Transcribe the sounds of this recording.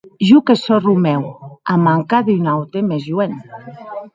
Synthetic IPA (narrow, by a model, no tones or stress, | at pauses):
ʒukesorumɛwamaŋkaðynawt̪emezjuen